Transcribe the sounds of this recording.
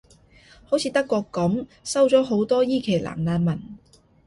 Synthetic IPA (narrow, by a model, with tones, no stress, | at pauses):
ho˨˥wt͡sʰiː˨˧t̪ɐ˥kːʷɔː˧kːɐ˨˥msɐ˥wt͡sɔː˨˥ɦo˨˥wt̪ɔː˥jiː˥kʰe˨˩jla̰ː˨˩ŋnaː˧nmɐ˨˩n